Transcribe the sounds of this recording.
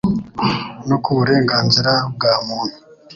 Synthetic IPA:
nokʰuβuɾe̞ːŋɡaːnziɾab̚ɡaːmuːn̥hu̥

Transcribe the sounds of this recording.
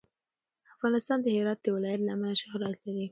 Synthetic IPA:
afɣɑnɪst̪ɑnd̪əhɪɾɑt̪̚d̪əwɪlɑjat̪lamalaʃaxɾɑlkawi

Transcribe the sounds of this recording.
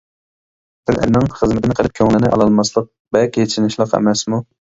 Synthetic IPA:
t̪ʰɪlʔɛ̰ɾnɪŋχəzmɪt̪ʰɪnɨqʰəlˠɨp̚kʲʰøŋlɪnɪʔɑ̰lˠɑlˠmɑslˠəq̚ | bɛkʲʰeʃinɪʃlˠəqɛ̰mɛsmu

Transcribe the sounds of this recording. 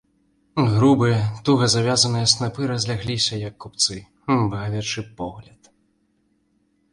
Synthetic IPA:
ɣɾubɨjɐt̪uɣɐzavʲazɐnɨjɐsnapɨɾɐzʲlʲaɣlʲisʲɐjɐkːup̚t̪sɨ | bɐɣavʲɛt͡ʂɨpɔɣlʲɐt̪

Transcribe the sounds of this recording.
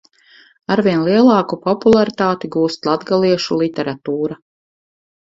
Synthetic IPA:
aɾviɛnlˠiɛlˠɑːkupɔpulˠaɾit̪aːt̪iɡuːst̪lˠad̪ɡalˠiɛʃulˠit̪ɛɾat̪uːɾa

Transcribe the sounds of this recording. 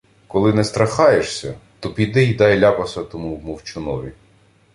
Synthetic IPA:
kɔlˠɪnɛst̪ɾɐxɑjeʃsʲɐt̪ɔpʲid̪ɪjd̪ɑjlʲɑpɐsɐt̪ɔmuwmɔwt͡ʃʊnɔʋʲi

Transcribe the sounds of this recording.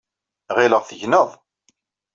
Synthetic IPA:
ʁɪləʁθəʝnəðˤ

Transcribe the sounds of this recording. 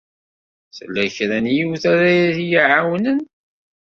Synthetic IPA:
θəlːæçɾænjiwθæɾæjæθijiʕawnən

